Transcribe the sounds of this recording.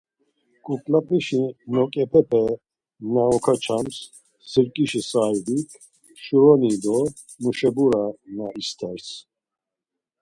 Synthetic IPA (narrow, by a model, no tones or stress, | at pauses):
kʼukʼlapʰiʃinɔkʼɛpʰɛpʰɛ | naɔkʰat͡ʃʰams | siɾkʼiʃisaid̪ikʰ | ʃuɾɔnid̪ɔ | muʃɛbuɾanaist̪ʰɛɾs